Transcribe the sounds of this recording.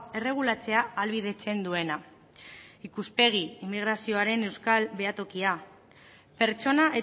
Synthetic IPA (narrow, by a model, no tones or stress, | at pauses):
e̞re̞ɣ̞ulat͡se̞aːlβið̞e̞t͡se̞nd̪ue̞na | ikuspe̞ɣ̞iimːiɣ̞ɾasio̞aɾe̞ne̞wskalβe̞at̪o̞kia | pe̞ɾt͡ʃo̞naʔe